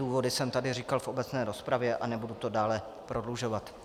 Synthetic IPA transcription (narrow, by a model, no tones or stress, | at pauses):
uːvo̞dɪsɛmt̪adɪriːkalfʔo̞bɛt͡snɛːɾo̞spɾavjɛʔanɛbudut̪o̞daːlɛ | pɾo̞dluʒo̞vat̪